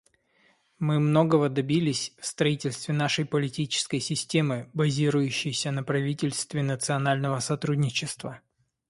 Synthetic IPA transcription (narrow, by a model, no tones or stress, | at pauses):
mɨmno̞ɡəvəd̪ɐbʲilʲɪsʲfst̪ɾɐitʲɪlʲst̪vʲɪnaʂəjpəlʲɪtʲit͡ɕɪ̥skəjsʲɪsʲtʲe̞mɨbɐzʲiɾʊjʉɕːɪjsʲənəpɾɐvʲitʲɪlʲst̪vʲɪnət̪sɨɐnalʲnəvəsɐt̪ɾudʲnʲɪt͡ɕɪst̪və